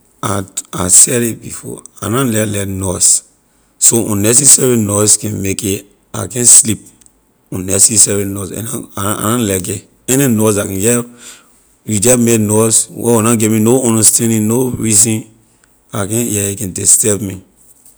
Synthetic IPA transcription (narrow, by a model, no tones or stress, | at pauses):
aa̰sɛɾebḭfɔ̰a̰nãlɛlɛnɔs | soɔ̃nnːɛs̬ɛsɛɹinɔskɛ̃nmeke | a̰kɛ̃nslip̚ | ɔ̃nnɛsɛsɛɹinɔsɛ̰naa̰nãlɛɡe | ɛninɔsakɛ̃jɛ | jud͡ʒɛmenɔswʔɛ̰wunãɡeminoɔ̃ndɔstɛ̃ndĩŋnoɹizĩn | akɛ̃njɛikɛ̃ntestɛpmi